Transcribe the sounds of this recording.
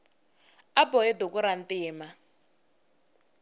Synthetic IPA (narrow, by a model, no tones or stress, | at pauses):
abɔɛd̪ukuɾantiːma